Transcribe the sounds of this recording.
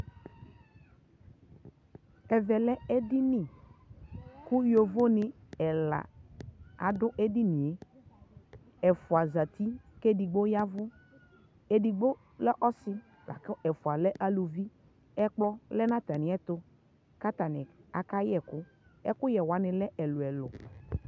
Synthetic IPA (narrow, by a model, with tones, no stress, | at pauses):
ɛ˨vɛ˨lɛ˦ɛ˦dɪ˦nɪ̃˦˨ | kʊ˦jo˨vo˦nɪ̃˨ɛ˨la̰˨ | a̰˨dʊ˦ʔe˦di˦nĩ˨e˦ | ɛ˨fʊ˨a˨za˨t̪i˦ke˦di˨ɡ͡bo˦ja˦vʊ˦ | e˨di˨ɡ͡bo˦ | lɛ˦ʔɔ˦sɪ˦ | la̰˨kɪ˦ʔɛ˨fʊ˨a˨lɛ˦ʔa˨lu˨vi˦ | ɛ˦k͡plɔ˦lɛ˦nã˦t̪a˨nɪ˨ɛ˦t̪ʊ˦ | ka˦t̪a˨nɪ˨a̰˨ka˦jɛ˨kʊ˦ | ɛ̰˦kʊ˦jɛ˨wa˨˦nɪ̃˨lɛ˦ʔɛ˨lʊ˨ɛ˨lʊ˨